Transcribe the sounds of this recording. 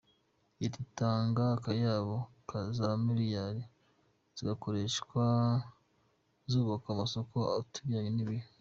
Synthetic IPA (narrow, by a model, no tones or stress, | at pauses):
ititaːŋɡakajaβo | kʰazamiɾijaɾi | z̥iɡako̞ɾe̞ʃkwa | zuːβakamaso̞koa̰βatuɡiaɲeniβi